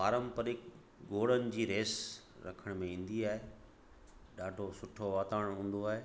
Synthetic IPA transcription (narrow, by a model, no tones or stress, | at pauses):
paːɾə̃mpəɾɪk | ɡoːɽənɪ̆d͡ʑiːɾeːs | ɾɐ̰kʰəɽ̃mẽĩːn̆d̪iaːɦe | ɖaːɖʱosʊʈʰoʋaːt̪aːɽ̃ɦũːn̆d̪oaːɦeː